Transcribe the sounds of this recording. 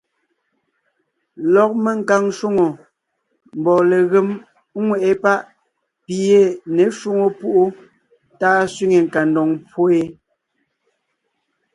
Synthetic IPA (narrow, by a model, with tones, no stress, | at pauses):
lɔ˨k̚me˦ŋ˨ka˨ŋʃu˦ŋo˨ | m̩˨bɔ˨le˨ɣe˨˦m˦ | ŋwɛ˨ʔe˦pa˦ʔ | pi˨je˦˨ne˨˦ʃu˦ŋo˨pu˦ʔo˦ | taː˦sɥi˦ŋe˨ŋ˨ka˨ndɔ˨ŋpwo˦e˦